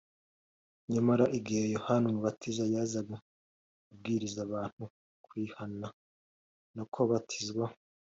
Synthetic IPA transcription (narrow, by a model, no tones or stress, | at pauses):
ɲamaɾaʔiɡihjohanumuβatʰizajaːzaɡa | ub̚ɡiːɾizaβaːn̥hu | kwiːhana | nokʰoβatʰizɡwa